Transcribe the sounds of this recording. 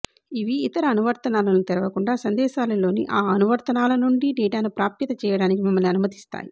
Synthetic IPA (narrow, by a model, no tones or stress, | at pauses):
iʋiːt̪ɐɾɐːnuʋɐɾt̪ɐnaːlɐnut̪ɛɾɐʋɐkuɳɖaːsɐnd̪ɛːʃaːlɐlo̞ːnḭʔaːɐnuʋɐɾt̪ɐnaːlɐnuɳɖiɖɛːʈaːnupɾaːpjɐt̪ɐt͡ʃɛːjɐɽaːnikimɐmːɐlniɐnumɐt̪i̥st̪a̰ːji